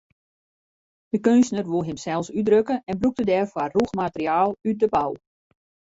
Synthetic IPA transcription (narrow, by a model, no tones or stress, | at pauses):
d̥əkønsnərʋulˠɦɪmsɛlˠsydrøkəɛnbruk̚tədɛːrfwaruxmatəɾiaːlˠyt̚dəbaw